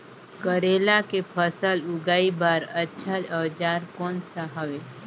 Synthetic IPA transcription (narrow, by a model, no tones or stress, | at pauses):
kəɾelakepʰəsəlʊɡaːibaːɾətːʃʰaəd͡ʒaɾkonsaɦəʋe